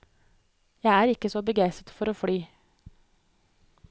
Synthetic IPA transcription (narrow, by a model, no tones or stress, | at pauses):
jæɪæːɾɪkəsoːbəɡæɪsət̪fɔɾoːflyː